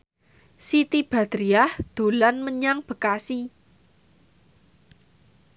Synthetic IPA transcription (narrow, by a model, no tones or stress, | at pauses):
sit̪ib̥a̤d̪̥ɾiahd̪̥o̤lanməɲaŋb̥ə̤kasi